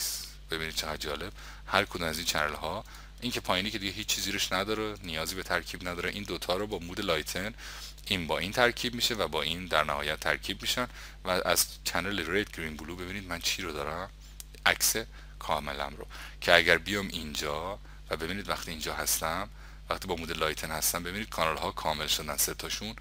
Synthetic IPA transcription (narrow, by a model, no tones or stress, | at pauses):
s | b̥e̞biniːd̪̚t͡ʃʰe̞ɣæd̪̚d͡ʒɒːle̞b̥̚ | hæɾkʰo̞d̪umæziːnt͡ʃʰænelhɒː | ʔiŋcʰe̞pʰɒːjiniːcʰe̞d̪iɟeɦiːt͡ʃʰːt͡ʃʰːiːziːɾeʃnæd̪ɒːɾenijɒːziːbe̞t̪ʰæɾkʰiːbnæd̪ɒːɾeʔiːnd̪ot̪ʰɒːɾobɒːmuːd̪e̞lɒːjt̪ʰen | iːnbɒːint̪ʰæɾcʰiːbmiːʃevæbɒːʔind̪æɾnæhɒ̰ːjæt̪ʰːæ̰ɾcʰiːbmiːʃæn | vææ̰z̥t͡ʃʰæneleɾet̪ɡɾimbuluːbe̞biːniːd̪mænt͡ʃʰiːɾod̪ɒːɾæm | ækse̞ | kʰɒːme̞̰læ̰mɾo̰cʰeæɟæɾbijɒmind͡ʒɒː | væbe̞biːniːd̪væxt̪iːnd͡ʒɒːɦæst̪æm | væxt̪ʰiːbɒːmuːd̪e̞lɒːjt̪ʰenhæst̪æmbe̞biːniːd̪̥̚kʰɒːnɑlɦɒːkʰɒːme̞lʃod̪ænse̞t̪ʰɒːʃun